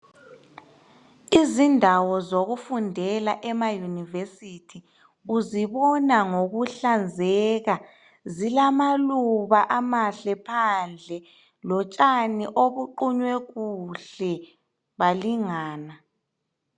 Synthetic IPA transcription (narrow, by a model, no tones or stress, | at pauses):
izindʱawɔzoɣufundʱɛlaʔɛmajunivesitʰi | uziβɔnaŋoɣuɬand͡zʱɛɣa | zilamaluβaʔamaɬɛpʰand͡ɮʱɛ | lɔt͡ʃʼaniʔoβuǃuɲwɛɣuɬɛ | βaliŋaːna